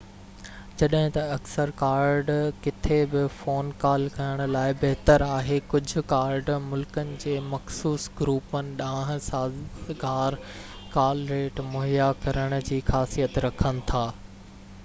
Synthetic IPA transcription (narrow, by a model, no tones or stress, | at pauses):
d͡ʑɐɗɦɪ̃t̪ɐɐksəɾkaːɾɖkɪt̪ʰebɪfoːnkaːlkɐjəɽ̃ʊ̆laːɪbɐɦt̪əɾaːɦekʊd͡ʑʱʊ̆kaːɾɖmʊlkənɪ̆d͡ʑeːmɐxsuːsɡɾuːpənɪ̆ɗãːɦɪ̃̆saːɡaːɾkaːlɾeːʈmʊɦijakɐɾəɽ̃ʊ̆d͡ʑiːxaːsijət̪ɾɐkʰənɪ̆t̪ʰaː